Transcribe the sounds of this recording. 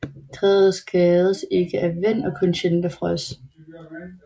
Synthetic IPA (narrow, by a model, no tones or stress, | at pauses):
t͡sʰʁɛð̩ˠsɡ̥ɛːðˠəse̝ɡ̥əʔæʋen̰ɒ̽kʰɔnɕenb̥əfʁœs